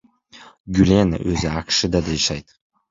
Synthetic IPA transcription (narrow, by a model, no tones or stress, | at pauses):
ɡʲʊlʲena̰ʔɵzɪakʃɪd̪ad̪aɪʃajd̪